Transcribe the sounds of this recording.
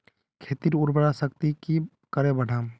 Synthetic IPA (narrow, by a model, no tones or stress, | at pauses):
kʰeːt̪iɾʊɾbəɽasəkt̪iki | kəɾẽbəɽ̤aːm